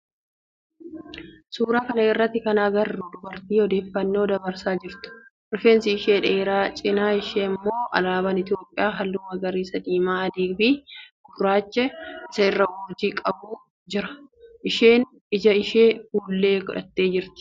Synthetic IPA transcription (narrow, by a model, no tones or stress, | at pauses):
suːɾaːkɐnɐɪrːɐt̪ːɪkɐnaːɡɐrːuːd̪ʊbɐɾt̪iːɔd̪e̞ːfːɐnːo̞ːd̪ɐbɐɾsaːd͡ʒɪɾt̪ʊ̥ʔɪɾfeːnsɪɪʃeːᶑeːɾaːt͡ʃʼɪnaːɪʃeːmːo̞ːʔɐ̰laːbɐnɪt̪jo̞ːpʼːɪjaːɦɐlːʊmɐɡɐɾiːsɐd̪iːmaːɐd̪iːfɪɡʊɡɾaːt͡ʃːɛɪsɐɪrːɐwoːd͡ʒiːkʼɐbuː | d͡ʒɪɾɐ̥ʔɪʃeːn | ɪd͡ʒɐɪʃeːfuːlːe̞ːkʊᶑɐ̰t̪ːeːd͡ʒɪɾt̪ɪ̥